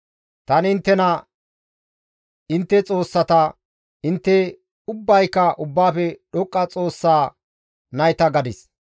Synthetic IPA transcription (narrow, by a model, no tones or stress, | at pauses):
t̪ɐnɪnt̪ːɛnɐ | ɪnt̪ːɛt͡sʼo̞ːsːɐt̪ɐ | ɪnt̪ːɛ | ʊbːɐjkːɐʔʊbːaːfɛɗɔkʼːɐt͡sʼo̞ːsːaː | nɐjt̪ɐɡɐd̪ɪs